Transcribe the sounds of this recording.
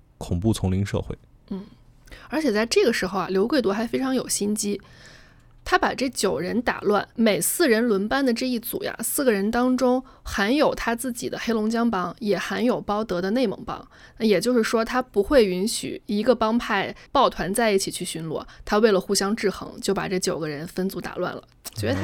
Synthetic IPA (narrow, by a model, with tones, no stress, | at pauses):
kʰʊ˨˩ŋpu˥˩t͡sʰʊ˧˥ŋli˧˥ŋʂɤ̰˥˧xwḛ˥˩ɪ | n̩˥˩ə˞˧˥t͡ɕʰjɛ˨˩t͡sa˥˧ɪʈ͡ʂɤ˥˩ɡə˩ʂɻ̩˧˥xo˧ʊa̰˩ljo˧˥ʊkwe˥˩ɪt̪wɔ˧˥xa˧˥ɪfe˥ɪʈ͡ʂʰɑ˧˥ŋjo˨˩ʊɕi˥nt͡ɕi˥ | t̪ʰa˥pa˨˩ʈ͡ʂɤ˥˩t͡ɕjo˨˩ʊɻə˧˥nt̪a̰˨˩lwa˥˩nme˨˩ɪsɹ̩˥˩ɻə˧˥nlwə˧˥npa˥nd̪ə˨ʈ͡ʂɤ˥˧i˥˩t͡sṵ˨˩ja̰˦sɹ̩˥˩ɡə˩ɻə˧˥nt̪ɑ˥ŋʈ͡ʂʊ˥ŋ | xa˧˥njo˨˩ʊt̪ʰa˥t͡sɹ̩˥˩t͡ɕḭ˨˩d̪ə˦xe˥ɪlʊ˧˥ŋt͡ɕjɑ˥ŋpɑ˥ŋjɛ˨˩xa˧˥njo˨˩ʊpɑ˥ʊt̪ɤ˧˥d̪ə˧ne˥˩ɪmɤ̰˧˥ŋpɑ̰˥ŋ | na˥˩jɛ˨˩t͡ɕjo˥˧ʊʂɻ̩˥˩ʂwɔ˥t̪ʰa˥pu˧˥xwe˥˩ɪy˧˥nɕy̰˨˩i˧˥ɡə˧pɑ˥ŋpʰa˥˩ɪpɑ˥˩ʊt̪ʰwa˧˥nt͡sa˥˧ɪi˥˩t͡ɕʰi˨˩t͡ɕʰy˥˩ɕy˧˥nlwɔ̰˥˩t̪ʰa˥we˥˩ɪlə˩xu˥˩ɕjɑ˥ŋʈ͡ʂɻ̩˥˩xɤ̰˧˥ŋt͡ɕjo˥˩ʊpa̰˨˩ʈ͡ʂɤ˥˩t͡ɕjo˨˩ʊɡə˦ɻə˧˥nfə˥nt͡su˧˥t̪a̰˨˩lwa̰˥˩nlə̰˩t͡ɕɛ˥˩